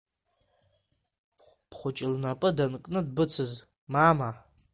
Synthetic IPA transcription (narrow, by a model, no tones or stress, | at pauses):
b̥χʷʊt͡ʃʼɪlnapʼɨdankʼnɨdbɨt͡sʰɨz | mama